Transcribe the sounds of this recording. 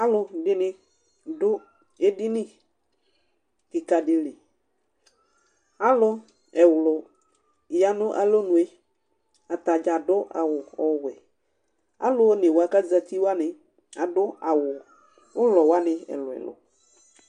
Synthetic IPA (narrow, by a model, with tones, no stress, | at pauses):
a˦lʊ˦dɪ˦nɪ̃˦ | dʊ˦ | e˦dɪ˦nɪ̃˦ | ki˨ka˨ɖɪ˨lɪ˨ | a˦lʊ˦ | ɛ˨wlʊ˨ | ja˨nʊ̃˦ʔa̰˨lo˦nũ˨e˦ | a˨t̪a˨d͡ʒa˨dʊ˦a̰˨wʊ˨ɔ˨wɛ˨ | a̰˦lʊ˦nɪ˨wo˨a˨ka˦d͡za˦t̪i˦wa˦nɪ˨ | a˨dʊ˦a˨wʊ˨ | wʊ˦lɔ˨wa˦nɪ̃˨ɛ̰˨lʊ˨ɛ̰˨lʊ̰˨